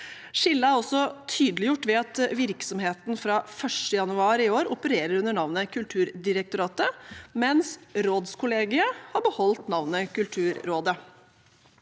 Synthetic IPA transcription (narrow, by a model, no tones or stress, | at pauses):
ʂɪlːəæɾɔsːɔt̪ʰyːd̪əlɪjʊʈːʋɛɑt̪ʋɪɾksɔmheːt̪nfɾɑfœʂʈəjɑnʉɑːɾɪoːɾʊpəɾeːɾəɾʉnəɳɑʋnəkʰʉlt̪ʰʉːɾd̪ɪɾək̚t̪ʊɾɑːt̪əmɛnsɾoːd̪skʰʊleːɡɪəhɑɾbəhɔlt̪nɑʋnəkʉlt̪ʰʉːɾːoːd̪ə